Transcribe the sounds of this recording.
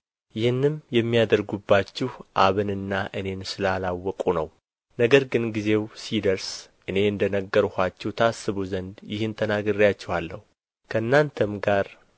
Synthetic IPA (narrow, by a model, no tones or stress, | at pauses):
jɪhɨnːɨmjɛmːijad̪əɾɡubːat͡ʃːɪhʔaβɨnɨnːaʔɨne̞nsɨlalawːɔkʼunəw | nəɡəɾɡɨnɡize̞wsid̪əɾsʔɨne̞ɨnd̪ənəɡːəɾhat͡ʃːɛwt̪ʰəasːɨβuzənd̪jɪhɨnt̪ʰənaɡɨrijat͡ʃːɛhalːə̰hu | kʰəɨnːant̪ʰəmɡaɾ